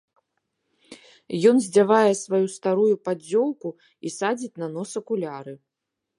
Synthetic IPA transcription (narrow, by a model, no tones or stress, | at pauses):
jɔnzʲd͡zʲavajɛsvajust̪aɾujupad͡zʲɔlˠku | isad͡zʲit͡sʲnɐnɔsɐkulʲaɾɨ